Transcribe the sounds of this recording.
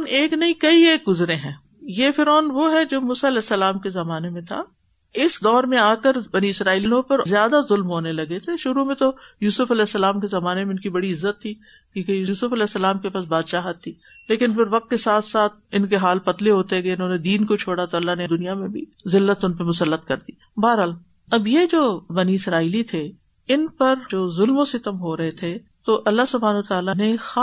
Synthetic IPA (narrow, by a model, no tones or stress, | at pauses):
neːknɐĩkɐieːk̚ɡʊzɾẽɦɛ̃ː | jefɪɾɔːnʋoɦɛd͡ʒoːmuːsaɐlɛːsːɐlaːmkezɐmaːnemẽt̪ʰa̰ | ɪsd̪ɔːɾmẽaːkəɾbɐniɪsɾaːiːlilõpɐɾzjaːd̪azʊlmɦoːnelɐɡet̪ʰeʃʊɾumẽt̪ojuːsʊfɐlɛːsːɐlaːmkezɐmaːnemẽʊnkibɐɽiɪzːət̪ʰːiː | kĩːkejuuːsʊfɐlɛːsːɐlaːmkepaːsbaːd̪ʃaːɦət̪ʰːiː | leːkɪnpɪɾʋɐk̚t̪̚kesaːt̪ʰsaːt̪̚ʰɪnkeɦaːlpɐt̪leɦoːt̪eɡeɪnɦõːned̪iːnkot͡ʃʰoːɽat̪oɐlːaɦneɪd̪ʊnijamẽbʱḭzɪlːət̪ʊnpemʊsəlːət̪kɐɾd̪iː | baːɾɦaːl | ɐbjed͡ʒoːbɐniɪsɾaːilit̪ʰe | ɪnpɐɾd͡ʒoːzʊlmõsek̪ɐmɦoɾɐɦet̪ʰe | t̪oʔɐlːaɦsʊbʱaːnːt̪aːlanexaː